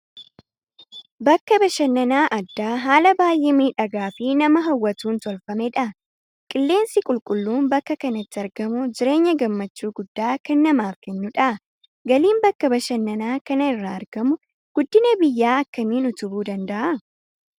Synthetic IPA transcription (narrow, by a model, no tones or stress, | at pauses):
bɐkːɐbɐʃɐnːɐnaːʔɐd̪ːaːɦaːlɐbaːjʔeːmiːᶑɐɡaːfɪnɐmɐɦɐwːɐt̪uːnt̪ɔlfɐmɛᶑɐ | kʼɪlːe̞ːnsɪkʼʊlkʼʊlːuːnbɐkːɐkɐnɐt̪ːɪɐɾɡɐmʊd͡ʒɪɾe̞ːɲːɐɡɐmːɐt͡ʃːuːɡʊd̪ːaːkɐnːɐmaːfkɛnːʊᶑɐʔɐ | ɡɐliːmbɐkːɐbɐʃɐnːɐnaːkɐnɐɪrːaːɾɡɐmʊ | ɡ̥ʊd̪ːɪnɐbɪjːaːɐkːɐmiːnʊt̪ʊbuːd̪ɐnd̪ɐʔɐ